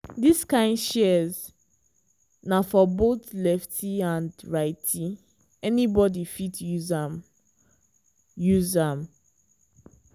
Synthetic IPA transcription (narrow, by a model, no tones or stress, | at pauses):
diskãɪ̃ndʃɛz | nafɔbot̪lɛftʰiãndɹaɪtʰi | ɛnibɔdifitʰjuzam | juzam